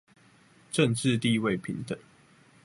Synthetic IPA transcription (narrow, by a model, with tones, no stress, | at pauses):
ʈ͡ʂə˥˨ŋʈ͡ʂɻ̩˥˧t̪i˥˧we˥˨ɪpʰi˨˦ŋt̪ə˨˩˦ŋ